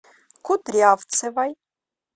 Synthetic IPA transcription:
kʰut̪ɾiavt͡sʰɛvaj

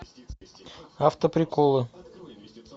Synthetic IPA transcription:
aft̪əpɾʲɪkolˠɨ

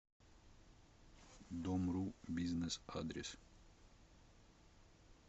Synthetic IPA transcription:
d̪ɔmɾubʲiznɛsad̪ɾʲḛs

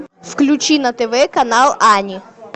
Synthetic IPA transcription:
fklʲʊt͡ɕinɐt̪ɛvɛkɐnalˠanʲɪ

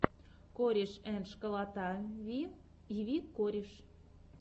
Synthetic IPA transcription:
koɾʲeʃænʃkə̆lɑt̪ɑβi | iβikːoɾʲeʃ

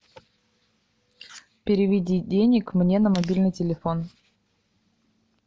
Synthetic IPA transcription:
pʲɪɾʲɪvʲɪdʲidʲenʲɪkmnʲenəmɐbʲilʲnɨjtʲɪlʲɪfo̞n

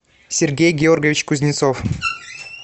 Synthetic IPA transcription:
sʲɪrɡʲejɡʲɪorɡʲəvʲɪt͡ɕkuzʲnʲɪt̪sof

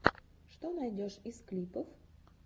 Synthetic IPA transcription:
ʂt̪onajdʲoʂisklʲipəf

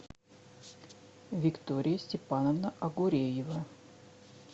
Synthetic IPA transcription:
vʲɪkt̪oɾʲɪjəsʲtʲɪpanəvnəʔɐɡʊɾʲejɪvə

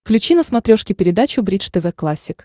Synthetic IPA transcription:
klʲʉt͡ɕinəsmɐt̪ɾʲoʂkʲɪpʲɪɾʲɪd̪at͡ɕʊbɾʲit͡ʂt̪ɛvɛklˠasʲːɪk

